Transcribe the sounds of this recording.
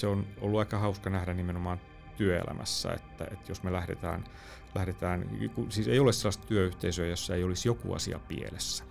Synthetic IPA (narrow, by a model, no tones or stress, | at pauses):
seono̰lːuɑikɑhɑuskɑnæhdænimenomɑːn | t̪yøḛlæ̰mʔæ̰sːæ̰ḛt̪ːæ̰et̪josmelæhɾḛt̪æ̰ːn | læhɾet̪æːnkusiːseiolesselːɑst̪t̪yøyht̪eisøːjosːæeiolisjokṵɑ̰siɑ̰pḭḛlesːæ̥